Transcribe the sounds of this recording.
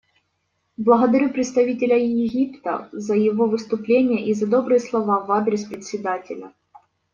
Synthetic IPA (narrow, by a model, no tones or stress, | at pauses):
blˠɐɣəd̪ɐɾʲupɾʲɪt̪st̪ɐvʲitʲɪlʲəjɪɣʲipt̪ə̰zɐjɪvo̞vɨst̪ʊplʲenʲɪjəʔizɐd̪o̞bɾɨjəslˠɐvavad̪ɾʲɪspɾʲɪt̪ʲsʲɪd̪atʲɪlʲə̰